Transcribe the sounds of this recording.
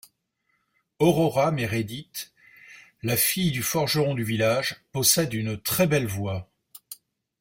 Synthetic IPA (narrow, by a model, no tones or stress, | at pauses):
ɔʁɔʁameʁed̪it̪ | lafijd̪yfɔʁʒəʁɔ̃d̪yvilaʒpɔsɛd̪ynt̪χɛbɛlvwa